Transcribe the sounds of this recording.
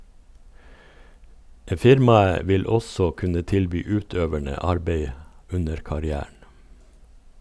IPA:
ˈfɪɾmɑə ˈʋɪl ˈɔsɔ ˈkʉnə ˈtɪlbyː ˈʉːˌtøːʋæɳə ˈɑɾbeɪ ˈʉnəɾ kɑɾɪˈæːɳ̩

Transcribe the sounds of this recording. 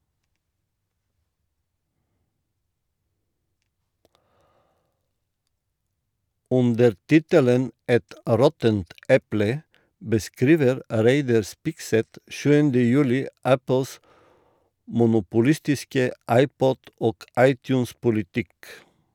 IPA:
ˈʉndəɾ ˈtɪtələn ˈɛt ˈɾɔtənt ˈɛplə bəˈskɾiːʋəɾ ˈɾeɪdɑɾ ˈspɪksɛt ˈʃʉːəndə ˈjʉːlɪ ˈʔæpl̩s mʊnʊpʊˈlɪstɪskə ˈʔɑɪˌpɔd ˈoːk ˈɑɪˌtjʉːns pʊlɪˈtɪk

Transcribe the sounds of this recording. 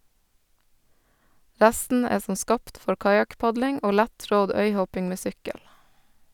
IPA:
ˈɾæstn̩ ˈeː ˈsɔm ˈskɑːpt ˈfɔɾ ˈkɑjɑkˌpɑdlɪŋ ˈoː ˈlætˌtɾɔd ˈœʏˌhɔpɪŋ ˈmeː ˈsʏkəl

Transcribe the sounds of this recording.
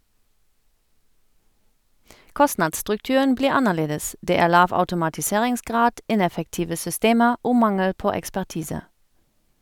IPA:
ˈkɔsnɑdstʁʉkˌtʉən ˈbliːʁ ˈɑnəˌleːdəs ˈdeː ˈæːʁ ˈlɑːʋ ɑʉtʊmɑtɪˈseːʁɪŋsˌɡʁɑːd ˈɪnɛfəkˌtiːʋə sʏˈsteːməʁ ˈoː ˈmɑŋəl ˈpoː ɛkspæʁˈtiːsə

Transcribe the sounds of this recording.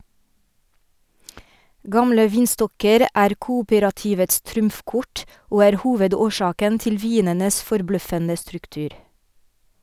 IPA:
ˈɡɑmlə ˈʋiːnˌstɔkəɾ ˈʔæːɾ ˈkuːuːpəɾɑtɪʋəts ˈtɾʊmfˌkʊʈ ˈoː ˈæːɾ ˈhuːʋədoːˌʃɑːkən ˈtɪl ˈʋiːnənəs fɔɾˈblœfənə stɾʉkˈtʉːɾ

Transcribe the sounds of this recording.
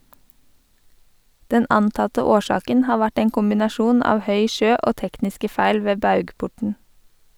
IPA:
ˈdɛn ˈɑntɑtə ˈoːˌʃɑːkən ˈhɑː ˈʋæʈ ˈeːŋ kʊmbɪnɑˈʃuːn ˈɑːʋ ˈhœʏ ˈʃøː ˈoː ˈtɛknɪskə ˈfæɪl ˈʋeː ˈbɑʉɡˌpʊʈɳ̩

